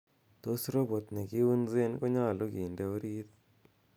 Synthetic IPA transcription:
t̪o˦sɾo˦bo˨t̪nɛe˨ɡi˦u˦nze˦nkɔ˦ɲa˦˨lo˦ɡi˨ndɛ˦o˦ɾi˦t̪

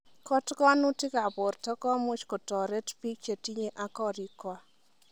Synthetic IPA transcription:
kɔ˦tkɔ˦nu˦ti˦ka˨bʊ˨ɾtɔ˦kɔ˦mʊ˦t͡ʃko˨tɔ˨ɾe˦tpi˦k̚t͡ʃe˨ti˦ɲe˦ʔa˨kɔ˦ɾi˨kwa˦

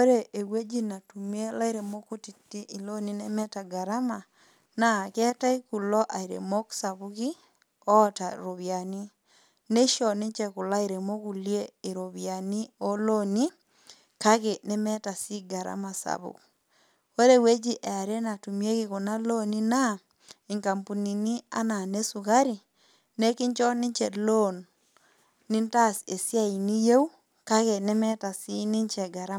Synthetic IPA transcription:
o˦ɾeʔe˨we˦d͡ʒi˦na˨tumie˦la˦iɾemo˦kuti˨ti˦ʔi˨lo˦ni˦nemɛ˦taɡaɾa˦ma | na˨kɛ˦ta˦i˦ku˨lɔ˦ʔaiɾḛmo˦ksa˨βuki˦ | ɔtaɾoβja˨ni˦ | ne˦ʃɔ˨ne˦ɲt͡ʃɛ˨ku˨la˦iɾe˨mo˦ku˨lje˦e˨ɾoβjani˦o˦loni˦ | ka˦ɣe˨ne˦mɛ˦ta˨si˦ɡa˨ɾa̰˦ma˨sa̰˨βṵ˨k | o˦ɾe˦we˦d͡ʒi˦ʔe˨a˨ɾe˦na˨tu˨mje˦ɣɪ˦ɣo˨na˦lo˦ni˦na˦ | e˨ŋka˨mpu˨ni˨ni˦a̰˦na˨ne˦su˨ɣa˦ɾi˨ | ne˦ki˦ɲt͡ʃɔ˦nɪ˦ɲt͡ʃɛ˨lo˦nː | i˦nta˦se˨sja˦i˨ni˦je˦u˦ | ka˦ɣe˨ne˦mɛ˦ta˨si˦ni˦ɲt͡ʃɛ˨ɡa˨ɾa˦

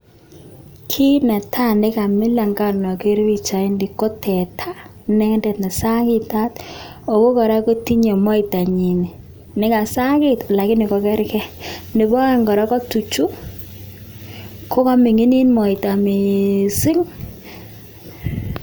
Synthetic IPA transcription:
kʰi˦nɛ˨tʰa˦nɪ˦ka˨mɪ˦la˨ŋɡa˦˨nɔ˨ke˦ɾwi˦t͡ʃa˨i˦ndi˨ko˦tʰɛ˨tʰa˦ | nɛ˦dɛ˨tnɛ˨sa˦kɪ˦ta˦t | o˨ko˦kɔ˨ɾa˦ko˦ti˦ɲe˨mɔ˦ɪ˨ta˨ɲi˨ni˨ | nɪ˦ka˨sa˦kɪ˦tla˨kɪ˦nɪ˨kɔ˨kɛ˦ɾkɛ˦nɪ˨bɔ˦ɛ˦ŋɡɔ˨ɾa˦kɔ˦tu˨t͡ʃu˦ | kʰo˦ka˦mɪ˨ŋi˦ni˦nmɔ˨ɪ˨ta˨mi˨sɪ˦ŋ

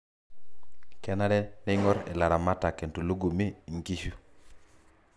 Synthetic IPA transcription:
kɛ˦na˦ɾɛ˦ne˦ŋɔ˦ɾḛ˨la˨ɾa˨ma˦ta˨ke˨ntu˨lu˦ɡu˨mi˦i˨ŋki˦ʃu˦

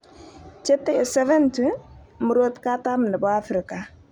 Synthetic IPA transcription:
t͡ʃe˦tːɛ˦ɪ˨sɛ˦vɛ˦ntu˦ | mu˨ɾo˦tka˦ta˦mnə˨bɔ˦a˦fɾɪ˨ka˨

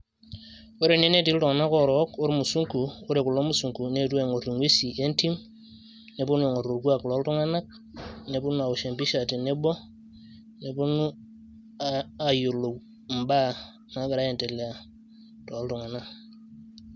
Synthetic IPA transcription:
o˦ɾe˨ne˦ne˦ti˦ltu˨ŋa˨na˦ko˨ɾo˨˦ko˦ɾmu˨su˦ŋku˨u˦ɾe˨ku˨lo˦mu˦su˨ŋku˨ne˦tu˦e˨ŋo˨tu˨ŋwe˦si˨ʔe˦nti˦m | ne˨bu˦nu˦e˨ŋo˨tu˨ɾɡu˦a˦˨klo˨˦ltu˦ŋa˦na˦k̚ | ne˨bu˦nu˦a˨u˨ʃe˨mpi˦ʃa˨ti˨nːe˦bo˦ | ne˨bu˦nu˦ | a˨jo˨lo˨ | m̩˨ba˦ | na˨˦ɡa˨ɾa˦e˨te˨la˨ | to˨˦ltu˨ŋa˨na˦

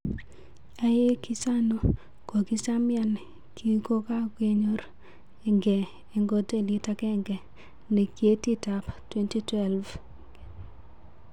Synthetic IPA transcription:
a˨je˦ki˦sa˦no˨ | ko˨ɡi˦sa˦mja˦n | kʰi˦ko˦ka˦ɡe˦ɲo˦ɾ | e˨ŋɡɛ˨ | e˨ŋɡo˦te˦˨lɪ˦ta˦kɛ˦ŋɡɛ˨ | ne˨kje˦ti˦ta˨ptwe˦nti˦twɛ˦lv

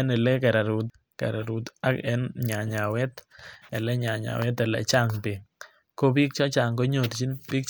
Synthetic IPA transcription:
ɛ˦nɛ˨lɛ˦kɛ˨ɾa˨ɾu˨t̚ | kɛ̰˨ɾa˨ɾu˨t̪a˦kɛ˨˦nɲa˨ɲa˨wɛ˦tɛ˨lɛ˦ɲa˨ɲa̰˨wɛ˦tɛ˨lɛ̰˨t͡ʃa˦˨ŋpe˨ | ko˦pi˦k̚t͡ʃɔ˦t͡ʃa˨ŋko˦ɲo˨tt͡ʃi˦npi˦k̚

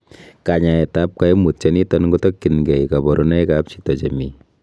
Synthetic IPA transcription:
ka˨ɲa˨ɛ˨ta˦p̚ka˦e˦mu˨t̚t͡ʃɛ˦ni˦tɔ˦nko˦tɔ˦kːi˨nɡɛ˨ika˨bɔ˨ɾu˦nɛ˦jka˦p̚t͡ʃi̥˦tɔ˨t͡ʃe˨mi˨

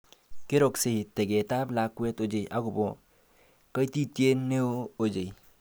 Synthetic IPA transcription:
ke˦ɾo˨kseɦi˨t̪e˨ɡe˨t̪a˦bla˨kːu˦e˦t̪od͡ʒejʔa˦ɡu˨bo | kə˦jt̪i˦t̪je˦ne˦oː˨d͡ʒe˨j

